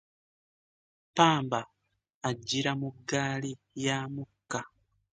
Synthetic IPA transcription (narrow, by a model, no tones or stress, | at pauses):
paːmbaː | ɟːiɾamuɡːaːli | jaːmukːa